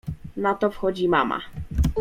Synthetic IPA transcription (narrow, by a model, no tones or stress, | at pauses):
nat̪ɔfxɔd͡ʑima̰ma̰